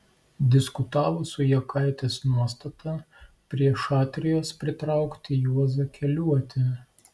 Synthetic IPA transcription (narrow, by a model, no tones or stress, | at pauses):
d̪ʲɪskʊt̪ɑːʋoːsʊjɛkʰɐˑɪt̪ʲeːsnuɔst̪ɐt̪ʰɐ | pʲɾʲiɛʃɑːt̪ʲɾʲɪjoːspʲɾʲɪt̪ɾɑˑʊkt̪ʲɪjuɔzɐkʲɛlʲuɔt̪ʲɪ